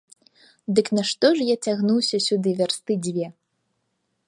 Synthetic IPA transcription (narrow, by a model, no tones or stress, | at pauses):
d̪ɨknɐʂt̪ɔʐjat͡sʲaɣnuwsʲɐsʲud̪ɨvʲarst̪ɨd͡zʲvʲɛ